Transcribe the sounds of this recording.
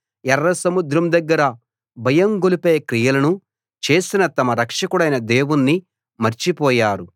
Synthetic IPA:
ɛrːɐsɐmud̪ɾɐmd̪ɐɡːɐɾɐ | bʱɐjɐmɡolipeːɐkɾijɐlɐnu | t͡ʃe̞ːsinɐt̪ɐmɐɾɐkʂɐkuɽɐjnɐd̪e̞ːwunːi | mɐɾt͡ʃipɔːjaːɾu

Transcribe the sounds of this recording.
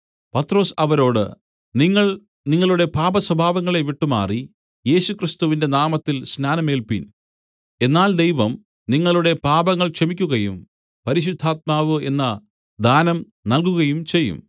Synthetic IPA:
pɐt̪ro̞ːsɐʋɐɾo̞ːɽɨ̰ | niŋːɐɭ | niŋːɐɭuɽe̞paːbɐswɐbʱaːʋɐŋːɐɭe̞ʋiʈːuma̰ːri | je̞ːɕukrist̪uʋinde̞naːmɐt̪ːilsnaːnɐmeːlpḭn | e̞nːaːld̪ejʋɐm | niŋːɐɭuɽe̞paːbɐŋːɐɭkʂɐmikʲːuɣɐjum | pɐɾiɕ̬ud̪ʱːaːt̪̚maːʋɨe̞nːɐ | d̪ʱaːnɐm | nɐlkuɣɐjumt͡ɕe̞jːṵm

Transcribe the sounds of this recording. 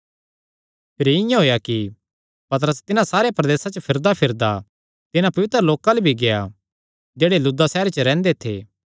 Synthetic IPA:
pʰɪɾiɪ̃jãɦoːjaki | pɐt̪̬ɾəst̪ɪnãsaːɾepɾɐd̪eːsat͡ʃəpʰɪɾd̪apʰɪɾd̪a | t̪ɪnãpɐʋɪt̪ɾəloːkalebʱiɡeja | d͡ʒeːɽelʊd̪asɛːɾt͡ʃəɾɛ̃ːnd̪et̪ʰḛː

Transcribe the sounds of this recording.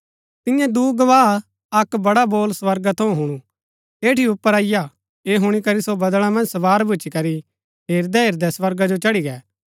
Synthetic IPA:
t̪ɪjãd̪uːɡɐʋaː | ɐkbɐɽaboːlsʋɐɾɡat̪ʰɐ̃ũɦʊɽ̃ũ | eːʈiʊpːəɾaːɪja | eːɦʊɽ̃ikɐɾisobɐd̪l̃ãmɐ̃nd͡ʒsɐʋaːɾbʱʊt͡ʃikɐɾi | ɦeːɾd̪ɛɦeːɾd̪ɛsʋɐɾɡad͡ʒot͡ʃɐɽiɡɛː

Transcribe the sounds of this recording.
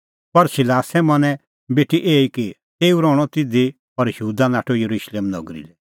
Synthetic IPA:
pɐɾsɪlaːsɛmɐnɛ̃ | beːʈʰiʔeːiki | t̪eːuɾɔːɽ̃ɔt̪ɪd̪i | ɔɾjɐuːd̪anaːʈʰojɐɾuʃleːmnɔ̰ɡɾḭlɛ

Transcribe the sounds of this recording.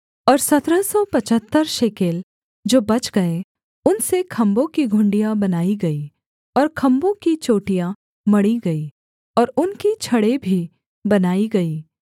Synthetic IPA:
ɔːɾsɐt̪ɾəsɔpɐt͡ʃət̪ːəɾʃeːkeːl | d͡ʒoːbɐt͡ʃɡɐe | ʊnsekʰɐ̃mbõkiɡʱʊ̃ɳɖijãbɐnaːiɡɐi | ɔːɾkʰɐ̃mbõkit͡ʃoːʈijã | mɐɽiɡɐiː | ɔːɾʊnkit͡ʃʰɐɽebʱi | bɐnaːiɡɐiː

